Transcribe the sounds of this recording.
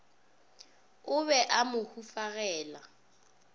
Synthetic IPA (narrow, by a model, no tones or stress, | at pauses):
ʊβɛʔamʊhufaɣɛːla